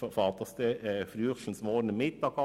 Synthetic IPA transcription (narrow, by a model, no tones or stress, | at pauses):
ɔfɑːt̪əst̪əfɾyːʁʃl̩smoːnəmɪt̪̚d̪ɑːkɑ